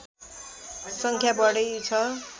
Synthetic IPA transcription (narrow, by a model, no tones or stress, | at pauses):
sʌŋkʰjabʌɽʌjt͡sʰʌ